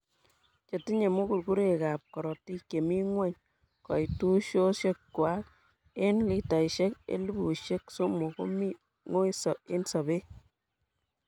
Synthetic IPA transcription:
t͡ʃe˨ti˦ɲe˨mu˦ku˨ɾku˦ɾe˨ka˨p̚kɔ˨ɾɔ˨ti˦kːe˨mi˦ŋwe˦ɲ | kɔ˨itu˦ʃo˦ʃe˦kkwa˦k̚ | e˦nli˨ta˨iʃe˦kḛ˦lu˦bu˨ʃe˦kso˦mo˨ko̰˦mi˦ | ŋo˦i˦sɔ˨e˦nsɔ˨be˦

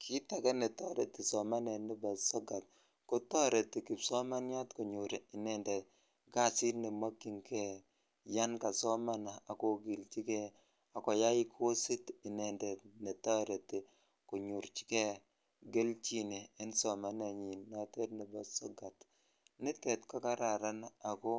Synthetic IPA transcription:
kʰi˦ta˨kɛ˦ne˨tɔ˦ɾe˨ti˨sɔ˨ma˦nɛ˨nɪ˦ba˨sɔ˦ɡa˨t̚ | kʊ˦tɔ˦ɾe˨ti˨ki˨psɔ˦ma˦nja˦tku˨ɲu˨ɾɪ˨nɛ˨ndɛ˨ | ɡa˦si˦nɪ˨ma˦kːi˨ŋkɛ˦˨ | ja˦nka˨sɔ˦ma˦na˨a˨ko˨ɡi˨lt͡ʃi˦kɛ˦ | a˨kɔ˨ja˦jɪ˦kʰo˦si˦tɪ˨ne˨nde˨ne˨ta˦ɾe˨ti˨ | ku˨ɲu˨ɾt͡ʃi̥˦ke˨ | ɡe˦lt͡ʃi˦ni˨ɪ˦nsɔ˨ma˦ne˨ɲi˨nɔ˦te˦tnɪ˨ba˨sɔ˦ɡa˨t | nɪ˦tɛ˨tka˦ka˦ɾa˨ɾa˦na˨kɔ˦

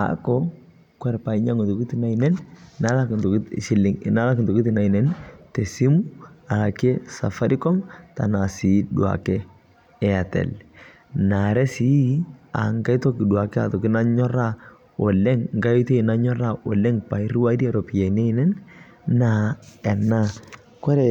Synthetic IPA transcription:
a̰˨kɔ | kwɛ˦ɾpa˨i˦ɲa˦ŋo˨to˨ki˦ti˦na˦inɛ˦nna˨˦la˦kntʃi˦lɪ˨ŋna˨˦la˦kɪ˨ntɔ˨ki˦ti˨na˨i˨nɛ˦ntɛ˨si˦mu˦a˨la˨kɛ˦sa̰˨fa˦ɾi˦kɔ˦mta̰˨na˨si˨du˨a̰˨kɛ˦ | ɛ˨a˨tɛ̰˨l | na˨ɾɛ˦si˨˦a̰˨ŋɡa˦i˦to˦ki˨du˨a˨kɛ˦a̰˨tɔ˨kɪ˦na˦ɲɔ˦ɾa˦ | o˨lɛ˦ŋŋɡa˦i˦tɔ˦i˨na˦ɲɔ˦ɾa˦ɔ˨lɛ˦ŋpa˨i˦ɾu˦wa˦ɾi˦a˦ɾɔ˨pi˨ja˨ne˦i˦nɛ˦nː | a˨ɛ˨na˦ | kɔ˦ɾɛ˨

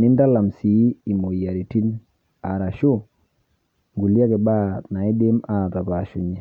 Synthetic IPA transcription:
ni˦nda˦la˨msi˨˦i˨mo˨ija˨ɾi˨ti˦n | a˨ɾa˨ʃo˦ | ŋɡu˨li˦a˦ke˨ba˦na˨i˦de˦ma˨ta˨pa˨ʃu˨ɲe˨

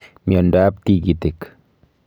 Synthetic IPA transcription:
mjɔ˨nda˦p̚t̪i˨ɡi˨t̪e˨k

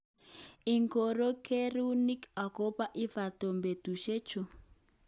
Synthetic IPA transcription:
i˨ŋko˨ɾo˦kʰe˦ɾu˦ni˦ka˨ko˦pa˦ʔi˦va˨to˨mbe˨tu˨ʃe˦t͡ʃu˨

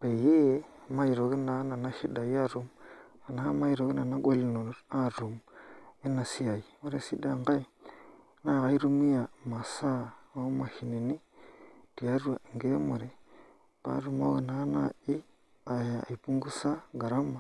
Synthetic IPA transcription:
b̥e˨je˦ma˦i˨ɾo˨ɡi˦na˨˦na˨na˦ʃi˦da˨ja˦ɾu˨ma˨na˦ma˦i˦˨ɾo˨ɡi˦na˨na˦ɡʷo˦li˦˨no˨ɾo˨a˦˨ɾu˨mi˦na˨si˦a˨i˨mo˦ɾe˦si˦da˨ŋɡa˦i˨˦ | na˦˨ɣa˨i˦ɾu˦mi˦ja˨ma˨sa˦o˦ma˨hi˨ne˨ni˦di˨a˨˦ɾu˦a˨ŋ˨ɡe˦mo˨ɾe˨ | pa̰˨˦ɾu˨mo˦we˨na˨˦na˨i˦ | a̰˨i˨pu˦ŋɡu˦sa˦ɡa˨ɾa˦mːa˨

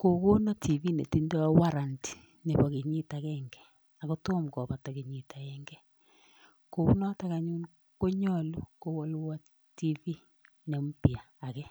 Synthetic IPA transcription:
ko˨ko˦nɔ˦tʰi˨vi˦nḛ˨ti˦ndɔ˦wa˦ɾa˨nti̥˨ | ne˨bɔ˨ke˨ɲi˦ta˨kɛŋɡɛ̥˨ | a˨ko˦to˦mkɔ˨ba˨ta˨ke˨ɲi˨ta˨kɛŋɡɛ˦ | ko˨ku˦nɔ˦ta˦ka˨ɲu˦n | ko˦ɲɔ˦˨lu˦ko˦wɔ˦lwa˦ | ti˦vi˦ | ne˨mpjaː˨kɛ˦

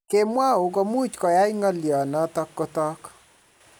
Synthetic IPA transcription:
ke˦mwa˦u˨k̬o˦mu˦t͡ʃkɔ˨ja˦jŋɔ˦ljɔ˨nɔ˦tɔ˦kːo˦tɔ˦k

